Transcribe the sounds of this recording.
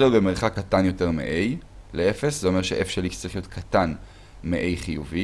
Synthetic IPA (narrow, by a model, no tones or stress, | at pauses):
eʁbemeʁχakːatanjo̞te̞ʁmḛʔej | leefeszeo̞meʁʃeʔefʃelit͡saʁiχjo̞t̪kʰatan | meʔe̞jχijuvi